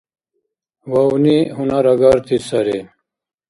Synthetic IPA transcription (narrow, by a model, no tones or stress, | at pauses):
waunihunaɾɐɡaɾt̪ʰisɐɾe